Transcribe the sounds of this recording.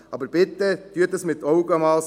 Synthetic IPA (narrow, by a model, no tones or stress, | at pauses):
ɑbəɾb̥ɪt̪ːət̪yətəsmɪt̪ʰːɔʊɡəmɑːls